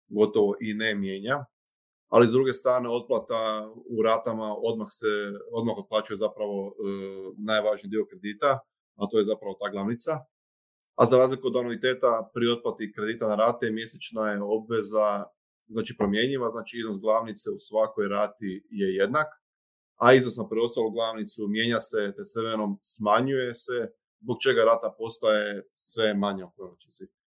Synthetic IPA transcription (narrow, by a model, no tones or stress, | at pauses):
ɡo̞t̪o̞ʋo̞ʔinemjeːɲa | a̰lizd̪ɾuɡe̞st̪ɾaːɾne̞o̞t̪̚plˠat̪auɾaːt̪amao̞d̪maxseo̞d̪maxo̞t̪̚plˠaːt͡ʃujezapɾaʋo̞ | naːjʋaʒnid̪io̞kɾe̞d̪iːt̪a | at̪o̞jezapɾaʋo̞t̪aːɡlˠaːʋnit̪sa | azaɾaːzlikuod̪anuʋit̪eːt̪apɾio̞t̪̚plˠat̪ikɾe̞d̪iːt̪anaɾaːt̪emje̞se̞t͡ʃnajeo̞bʋe̞za | znaːt͡ʃipɾo̞mje̞ɲiʋaznaːt͡ʃiiznosɡlˠaːʋnit̪seusʋako̞jɾaːt̪ije̞je̞d̪nak | aiznosnapɾeo̞st̪alˠuɡlˠaʋnit̪sumje̞ːɲaset̪eseʋeno̞msmaɲuje̞se | zbo̞k̚t͡ʃe̞ɡaɾaːt̪apo̞st̪ajesʋe̞maɲeopɾonot͡ʃnost̪i